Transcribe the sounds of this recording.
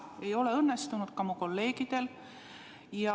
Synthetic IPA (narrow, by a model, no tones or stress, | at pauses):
e̞jo̞le̞ɤnːe̞st̪unud̪̥̚kɑmuko̞lːe̞ːɡ̥id̪̥e̞l | jɑ